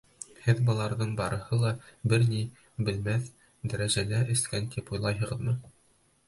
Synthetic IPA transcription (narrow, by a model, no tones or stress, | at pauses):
hɘðbɤ̆lˠɑɾðɤɴbɑɾɤ̆hɤlˠɑbɘɾni | bɘ̆lmæθ | d̪æɾæʒælæʔɘ̆skænt̪ipujlˠɑjɦɤ̆ʁɤ̆ðmɤ